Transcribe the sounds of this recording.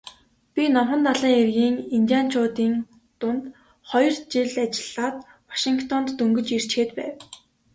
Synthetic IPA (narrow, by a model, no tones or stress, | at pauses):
pʲinɔmχə̆nt̪aɮiːŋerɣiːŋint̪ʲjaːn̥t͡ɕʰʊːt̪iːn | t̪ʊnt̪ | χɔjɞ̆rt͡ɕiɮat͡ɕɪ̆ɮaːt̪̚ | wḁʃiŋkt̪ʰɔnt̪ːɵŋɡɵ̆t͡ɕir̥t͡ɕxeːt̪pæ̰ːw